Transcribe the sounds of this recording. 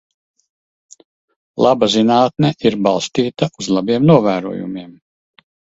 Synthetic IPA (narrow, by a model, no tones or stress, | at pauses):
lˠʔabazinaːt̪̚nɛʔiɾbalˠst̪iːt̪aʔuzlˠabiɛmnuɔvæːɾṵɔjṵmiɛm